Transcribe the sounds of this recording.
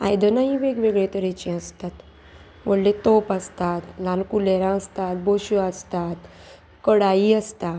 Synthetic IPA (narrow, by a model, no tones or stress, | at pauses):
a̰jd̪ənaɦiʋeɡʋeɡɭet̪əɾet͡ɕĩəst̪at̪ | ʋəɽlet̪opəst̪at̪lankuleɾãəst̪at̪̚boɕuast̪at̪ | kəɽaiəst̪a